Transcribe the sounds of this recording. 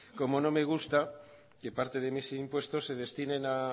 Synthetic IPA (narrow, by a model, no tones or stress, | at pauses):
ko̞mo̞no̞me̞ɣ̞ust̪a | ke̞paɾt̪e̞ðe̞misimpwe̞st̪o̞sːe̞ð̞e̞st̪ine̞na